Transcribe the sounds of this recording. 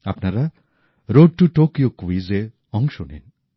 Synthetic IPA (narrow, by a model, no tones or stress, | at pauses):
apnaɾa | ɾoɖ̚ʈuʈokijokuʋize | ɔŋʃonḛn